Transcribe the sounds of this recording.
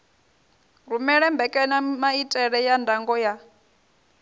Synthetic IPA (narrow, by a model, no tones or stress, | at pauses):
ɾumɛɺɛmbɛkʼɛnamaitʼɛɺɛjandʱaŋɡɔja